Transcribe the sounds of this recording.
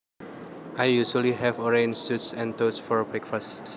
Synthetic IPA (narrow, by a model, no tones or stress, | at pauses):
ʔajjuʃəliɦɛvɔɹẽnsutsɛ̃nt̪osfɔɹbɹɛkfas